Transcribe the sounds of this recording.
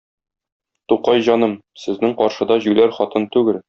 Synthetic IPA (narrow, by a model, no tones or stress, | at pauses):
t̪uqɑjʑɒnɤm | sɘ̆znɘŋqɒɾʃɤ̆d̪ɑʑʉlæɾχɒt̪ɤnt̪ʉɡɘl